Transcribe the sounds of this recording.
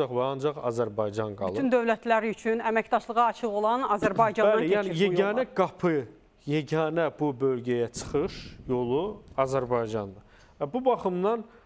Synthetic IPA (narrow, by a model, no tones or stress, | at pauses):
ɑχvæɑnd͡ʒɑχɑ̰zæɾbɑjd͡ʒɑnɡɑ̰lˠɯynd̪ø̞vlæt̪ʰlæɾiyt͡ʃʰynæmæcd̪ɑʃlˠɯʁɑːt͡ʃʰɯʁo̞lˠɑnɑzæɾbɑjd͡ʒɑnælijæːnijejæːnæɡɑpʰɯ | jeɟæːnæbubø̞lɟæjæt͡ʃʰɯ̥χɯʃjo̞lˠuɑzæɾbɑjd͡ʒɑnd̪ɯ | væbubɑχɯmd̪ɑn